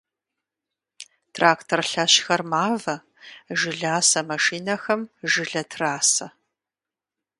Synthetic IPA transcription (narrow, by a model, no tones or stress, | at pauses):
tʰraːktʰorɬɐɕxɐrmaːvɐ | ʒɪɮaːsɐmɐʂiːnɐxɐmʒɪɮɐtʰraːsɐ